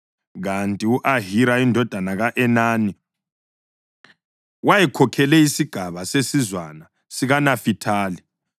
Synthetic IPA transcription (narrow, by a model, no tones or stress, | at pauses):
ɣantʼiuʔaɦiɾaindʱɔd̥ʱanaɣaʔɛnaːni | wajɛkʰɔkʰɛlɛisiɡ̥ʱaβasesizwana | siɣanafitʰaːli